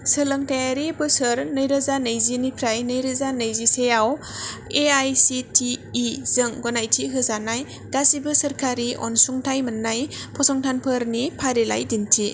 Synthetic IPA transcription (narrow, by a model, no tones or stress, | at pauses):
sɯlɯŋtajaɾibɯsɯɾnɯjɾazanɯjzinipʰɾajnɯjɾɯzanɯjzisejaweajsitʰiːzɯŋɡɔnajtʰiɦɯzanaj | ɡasibɯsɐɾkʰaɾiʔɔ̰nsuŋtʰajmɯnːajpʰɔsɔŋtʰanpʰɯɾnipʰaɾela̰jdintʰi